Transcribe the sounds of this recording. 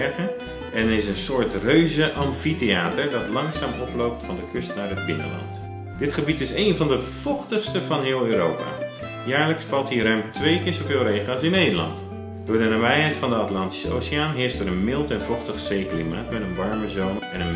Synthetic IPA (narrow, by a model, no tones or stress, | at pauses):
ɹɣə | ɛnəɪsənsʊːɹtrøɥzəʔɑmfiteaːtəɹdɑtlɑŋsaːmɔplowp̚tfɑndəkʰʏstnaɹət̚kɪndə̰ɹlɔ̰nt | dɪtχəbitɪseːnvɑndəv̥ɔχtəχstəvɑnɦɪːlˠøːɾowpa̰ː | jaːɹləksfɑlˠthiɾœmtʰʋejkɪːɹzovɪːlˠreːχəɑsɪnːejdəlɑ̰nt | d̥ʊːɹdənabɛjɦɛjtfɑndəatlɑnti̥səo̰ːsiaːnɦɪːɹstəɾənmɪlˠtɛnv̥ɔχtəχz̥ejklima̰ːtmɛtənʋɑɹməzownɛnən